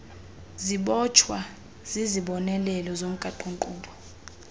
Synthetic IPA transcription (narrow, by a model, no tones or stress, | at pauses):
ziɓɔt͡ʃʰwa | z̥iziɓɔnɛlɛlɔzom̩kʼaǃuŋǃʼuːɓɔ